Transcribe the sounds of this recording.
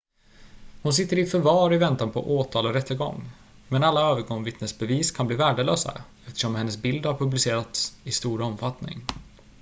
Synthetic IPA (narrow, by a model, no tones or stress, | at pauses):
hʊns̬ɪt̪ːəɾɪfœɾvɑːɾɪvɛnt̪anpʰɔ̰ʔoːt̪ʰɑːlɔɾɛt̪ʰːəɾɡɔ̰ŋː | mɛnalːaøːvəɾɡɔŋvɪt̪nəsbɛviːskʰanbliːvæːɖəløːsa̰ | ɛft̪ə̥ʂɔmhɛnːəsbɪld̪haɾpʰɵblɪseːɾat̪sɪst̪uːɾɔmfat̪nɪ̰ŋ